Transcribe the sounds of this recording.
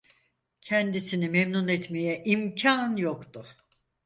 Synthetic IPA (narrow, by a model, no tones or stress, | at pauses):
cʰɛnd̪isinimemnunɛt̪mejɛʔimcʰanjokt̪ʊ